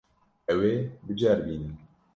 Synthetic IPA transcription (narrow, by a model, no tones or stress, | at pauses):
ɛweːbɨd͡ʒæɾbiːnɨn